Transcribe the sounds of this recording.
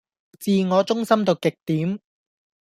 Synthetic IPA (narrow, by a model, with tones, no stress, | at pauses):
t͡siː˧ŋɔː˨˧t͡sʊ˥ŋsɐ˥mt̪o˨˧wkɪ˨k̚t̪iː˨˥m